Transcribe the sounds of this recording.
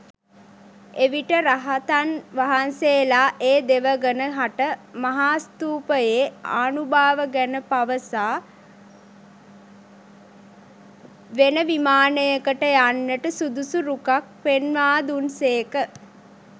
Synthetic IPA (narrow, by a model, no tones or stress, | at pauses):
eʋiʈəɾaɦat̪anʋaɦanseːlaːʔeːd̪eʋəɡənəɦaʈəmaɦaːst̪uːpəjea̰ːnubaːʋəɡænəpaʋəsaː | ʋenəʋimaːnəjəkəʈəjanːəʈəsud̪usuɾukak̚penʋaːd̪unseːkə